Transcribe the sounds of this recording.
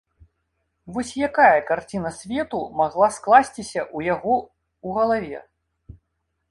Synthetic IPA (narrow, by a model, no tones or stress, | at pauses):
vɔsʲjakajɐkart͡sʲinɐsʲvʲɛt̪umaɣlˠasklˠasʲt͡sʲisʲɐʔujaɣɔ | uɣɐlˠavʲɛ̰